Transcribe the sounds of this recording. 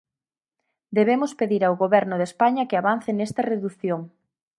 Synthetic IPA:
d̪eβ̞emʊspeðiɾawɣoβɛɾnʊðespaɲɐkɪaβan̟θenest̪ɐreðuθjoŋ

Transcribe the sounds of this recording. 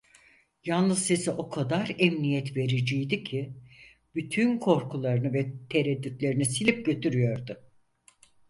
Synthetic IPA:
janˠlɯzse̞siʔo̞kʰad̪aɾɛmnijɛt̪ve̞ɾid͡ʒijd̪icʰi | b̥yt̪ʰynkʰo̞ɾkʰulˠaɾɯnɯvɛt̪ʰe̞ɾɛd̪ːyt̪lʲe̞ɾinisilʲip̚ɟø̞t̪ʰyɾyjo̞ɾd̪ʊ

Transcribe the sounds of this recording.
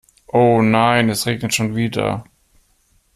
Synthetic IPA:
ʔoːnaɪnɛsʁeːɡnətʃoːnviːdɐ̰

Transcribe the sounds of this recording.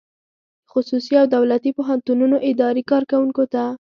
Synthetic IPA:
xʊsusiawd̪awlat̪ipoɦant̪ununoʔɪd̪ɑɾikɑɾkawuŋkot̪a

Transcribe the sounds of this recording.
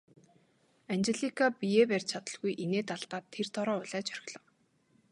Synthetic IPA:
ant͡ɕeɮikʰapieperʲt͡ɕʰat̪ə̆ɮɣujʔeneːt̪aɮt̪aːt̪ʰːer̥t̪ʰɔɾɔːʊɮæːt͡ɕʰœr̆ʲɮɞ̆w

